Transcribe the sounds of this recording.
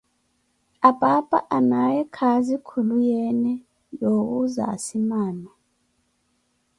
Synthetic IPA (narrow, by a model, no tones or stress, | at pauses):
apʼapʼa̰ʔanajɛkʰazikʰulujɛnɛ | jok̬uza̰simaːna